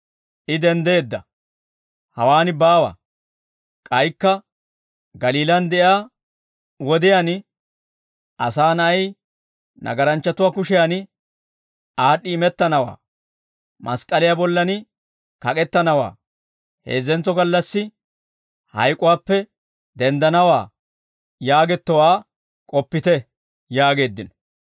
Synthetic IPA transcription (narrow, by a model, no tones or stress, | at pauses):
ʔɪd̪ɛnd̪e̞ːd̪ːɐ | hɐwaːnɪbaːwa̰ː | kʼɐjkːɐ | ɡɐliːlɐnd̪ɛʔjaː | wɔd̪ɪjan | ʔɐsaːnɐʔɐj | nɐ̰ɡɐɾɐnt͡ʃːɐt̪ʊwaːkʊʃɪjanɪ | aːɗːɪːmɛt̪ːɐnɐwa̰ː | mʔɐskʼɐlɪjabɔlːɐnɪ | kɐkʼɛt̪ːɐnɐwa̰ː | heːzːɛnt͡sːɔɡɐlːɐsːɪ | hɐ̰jkʼʊwaːpːɛ | d̪ɛnd̪ɐnɐwa̰ː | jaːɡɛt̪ːɔwaː | kʼɔpːɪt̪ɛ | jaːɡe̞ːd̪ːɪnɔ̥